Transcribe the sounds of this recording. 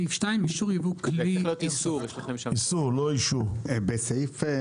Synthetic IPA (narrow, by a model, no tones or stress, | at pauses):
ifʃtajmiʃuʁjavuklilijot̪isuʁjeʃlaemʃaisuʁloiʃuʁbesejf